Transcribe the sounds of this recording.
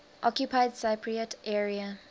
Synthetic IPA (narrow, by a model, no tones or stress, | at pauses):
ʔɔkjupʰaɪdsapʰɹiətʰʔɛɹia